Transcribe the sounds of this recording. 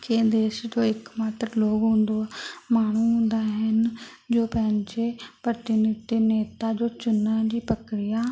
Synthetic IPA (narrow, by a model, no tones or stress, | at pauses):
ked̪eːʃd͡ʒoːɪkmaːt̪ɾloːɡɦʊ̃ːnd̪oːmaːɳ̃ũːɦʊ̃nd̪aːɦən | d͡ʒoːpɛːnt͡ʃeːpɾət̪ɪnɪt̪ɪneːt̪aːd͡ʒoːt͡ʃʊnːaːd͡ʒiːpəkɾɪjaː